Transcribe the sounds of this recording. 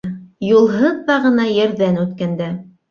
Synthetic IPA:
julˠɦɤðːɑʁɤ̆nɑjɘ̆ɾðænʉt̪kænd̪æ

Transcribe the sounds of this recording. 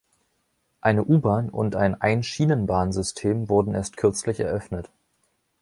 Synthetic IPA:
ʔaɪnəʔuːbaːnʊ̰ntaɪnʔaɪnʃiːnənbaːnzʏstʰeːmvʊɐdn̩ʔeːɐstkʰʏɐt͡slɪçɛ̰ɐʔœfnət

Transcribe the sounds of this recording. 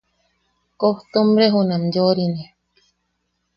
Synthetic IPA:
koht̪omɾeɦunãmjoɾine

